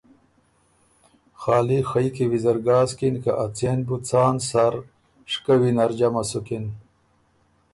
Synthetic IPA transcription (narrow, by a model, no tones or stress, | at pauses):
xɑːlixəjkiwizɐɾɡaːzkinkaʔat͡senbut͡sɑːnsaɾ | ʂkawinaɾd͡ʑamasukin